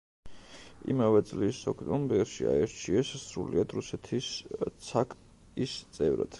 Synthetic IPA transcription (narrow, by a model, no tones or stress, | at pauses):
ḭmavɛt̪sʼlisɔkʰt̪ʼɔmbɛɾʃia̰ɛɾt͡ʃʰiɛssɾuliad̪ɾusɛt̪ʰist̪sʰakʰʼ | ist̪sʼɛvɾa̰d̪̥